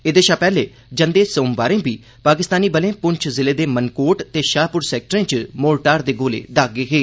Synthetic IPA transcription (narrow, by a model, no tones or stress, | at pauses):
ed̪eːʃaːpɛːleː | d͡ʒənd̪eːsõːmʋaːɾẽːbiː | paːkɪst̪aːniːbəlẽːpʊɲt͡ʃʰzɪleːd̪eːmənkoːʈt̪eːʃaːpʊɾsɛːk̚ʈəɾẽːt͡ʃmoːlʈaːɾd̪eːɡoːlḛːd̪aːɡeːɦeː